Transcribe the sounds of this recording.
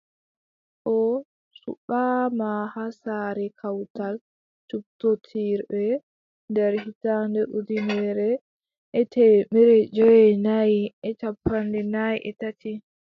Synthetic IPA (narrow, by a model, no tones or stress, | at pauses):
ʔɔ | sṵɓamahasaɾɛkʰawtal | t͡ʃup̚totʰiɾbɛ | ndɛɾhitandɛʔudinɛɾɛ | ʔɛtɛmɛɾɛd͡ʒɔjɛnajɛt͡ʃapːandɛnajʔɛtati